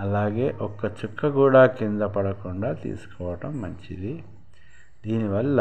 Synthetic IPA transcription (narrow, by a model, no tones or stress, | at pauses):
ɐlaːɡe̞ːʔɔkːɐt͡ʃukːɐkuːɽaːkind̪ɐpɐɽɐkuɳɖaːt̪ḭːsu̥kɔːʋɐʈɐmːɐɲt͡ʃid̪i | d̪iːniʋɐlːɐ